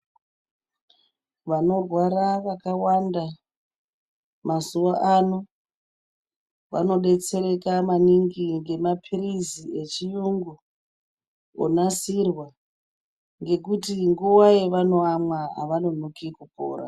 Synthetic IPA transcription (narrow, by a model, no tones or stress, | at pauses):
ʋano̞rwaɾaʋakawanda | mazuwaʔano̞ | ʋa̰no̞ɗe̞t͡se̞ɾe̞kamaniŋɡiŋɡe̞mapʰirizie̞t͡ʃijuŋɡu | o̰nasirwa | ŋɡe̞kutiŋɡuwaeʋano̞amwaa̰ʋano̞nokikupo̰ːɾa̰